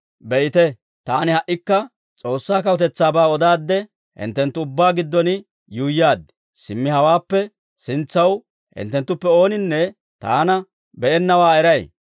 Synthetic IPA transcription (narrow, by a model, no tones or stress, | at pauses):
bɛʔɪt̪ɛ | t̪aːnɪhɐʔːɪkːɐ | t͡sʼo̞ːsːaːkɐwʊt̪ɛt͡sːaːbaːɔd̪aːd̪ːɛ | hɪ̰nt̪ːɛnt̪ːʊʊbːaːɡɪd̪ːɔnɪ | juːjaːd̪ːɛ | sɪmːɪhɐwaːpːɛ | sɪnt͡sːɐw | hɪ̰nt̪ːɛnt̪ːʊpːɛo̞ːnɪnːɛ | t̪a̰ːnɐ | bɛʔɛnːɐwaːɛɾɐj